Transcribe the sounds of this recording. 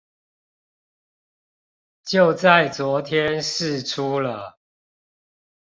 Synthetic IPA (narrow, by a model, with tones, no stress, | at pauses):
t͡ɕjo˥˨ʊt͡sa˥˨ɪt͡swɔ˨˦t̪ʰjɛ˦nʂɻ̩˥˨ʈ͡ʂʰu˦lə˨